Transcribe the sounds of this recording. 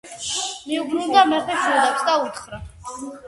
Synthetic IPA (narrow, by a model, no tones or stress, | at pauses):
miuɡʰnind̪amɛχɛt͡ʃʰnɛlat̪sʰd̪aut̪χɾa